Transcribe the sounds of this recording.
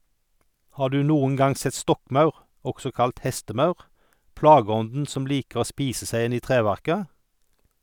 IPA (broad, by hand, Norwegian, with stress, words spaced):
ˈhɑː ˈɖʉː ˈnuːʊŋ ˈɡɑŋ ˈsɛt ˈstɔkˌmɑʉʁ ˈɔksɔ ˈkɑlt ˈhɛstəˌmɑʉʁ ˈplɑːɡəˌɔndn̩ ˈsɔm ˈliːkəʁ ˈoː ˈspiːsə ˈsæɪ ˈɪn ˈiː ˈtʁeːʋæʁkə